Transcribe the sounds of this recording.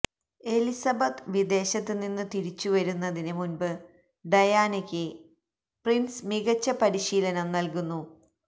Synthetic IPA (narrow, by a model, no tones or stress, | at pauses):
e̞lisɐbɐt̪ʋid̪e̞ːɕɐt̪ːɨninːɨt̪iɾit͡ɕːuʋɐɾunːɐðinɨmunbɨ | ɖɐjaːnikʲːɨ | prinsmiɣɐt͡ɕːɐpɐɾiɕiːlɐnɐmnɐlkunːu